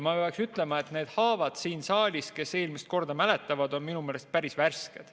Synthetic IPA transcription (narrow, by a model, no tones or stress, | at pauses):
mɑpeɑksyt̪ːˑle̞mɑe̞t̪ne̞ːd̪̥hɑːvɑd̪̥siːnsɑːlʲis̚ke̞se̞ːlmise̥t̪̚ko̞rd̪̥ɑmæle̞t̪ˑːɑvɑd̪̥o̞nminumeːle̞st̪̚pæɾisværsked̪̥